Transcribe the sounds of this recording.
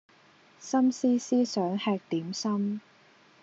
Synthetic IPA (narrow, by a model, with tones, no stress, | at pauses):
sɐ˥msiː˥siː˥sœː˨˥ŋhɛː˧k̚t̪iː˨˥msɐ˥m